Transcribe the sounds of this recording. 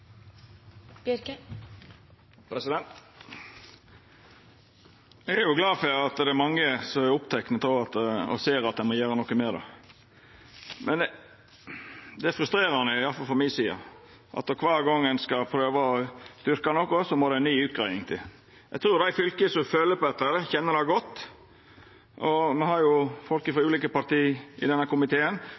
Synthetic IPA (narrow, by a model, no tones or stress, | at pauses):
pɾɛsɪd̪ɛnt̪ | ɛɡæɾjʊɡlɑːfɑt̪d̪ɛæmɑŋːəsɔmæɾʊpt̪ʰɛknət̪oɑt̪ɔ̰seːɾɑt̪̚d̪æɪmɔjæːɾənɔkːəmeːd̪ɑ̰ | mʔɛn | d̪ɛfɾʉst̪ɾeːɾəhɑnæɪjɑlfɑlfɔɾmɪsiːɑ̰ | ʔɑ̰t̪ːɔkʰʋɑːɾɡɔŋːənskɑpʰɾøːʋɑɔst̪ʏɾkɑnɔkːɔsɔmɔɾd̪ɛænnyːʉːt̪̚ɡɾæɪnɪŋt̪ʰɪl | jæt̪ʰɾʉːɾd̪æɪfʏlkəsɔføːləpɔɛt̪ːəɾəçɛnːəd̪æɡɔt̪ː | ʔɔmɛhɑɾjʊfɔlkəfɾɑʉːliːkəpɑɾt̪iːʔɪd̪ɛnːəkʊmɪt̪ʰeːən